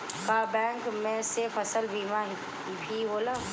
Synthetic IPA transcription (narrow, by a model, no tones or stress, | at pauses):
kaːbɛ̃ːŋkmẽsɪɾfɐsəlbiːmaːn | ibʰʱiːboːlaː